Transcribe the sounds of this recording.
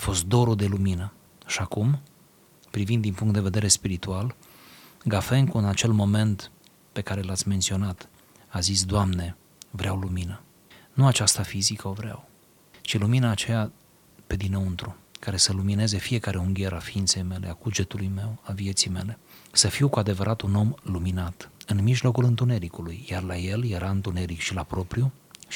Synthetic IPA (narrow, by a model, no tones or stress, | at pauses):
fo̞st̪̚d̪o̞ɾud̪e̞luminə | ʃiakum | pɾivind̪ːinpuŋkt̪d̪e̞ve̞d̪e̞ɾe̞spiɾit̪ual | ɡafe̞ŋkuɨnat͡ʃe̞lmo̞me̞nt̪ | pe̞kaɾe̞lat̪sʲme̞nt̪sio̞nat̪ | azis̬d̪oamne̞ | vɾeawluminə | nuat͡ʃast̪afizikəo̞vɾea̰w | t͡ʃiluminaːt͡ʃeja | pe̞d̪inəunt̪ɾukaɾe̞səlumine̞ze̞fije̞kaɾe̞uŋɡʲe̞ɾafiint̪se̞jme̞le̞̰aɡud͡ʒet̪ulujme̞wavije̞t̪sijme̞̰le̞səfiwkuad̪e̞vəɾʔat̪uno̞mluminat̪ɨnmiʒlo̞kulɨnt̪une̞ɾikulujjarlaje̞lje̞ɾʔaɨnt̪une̞ɾikʃilapɾo̞pɾiju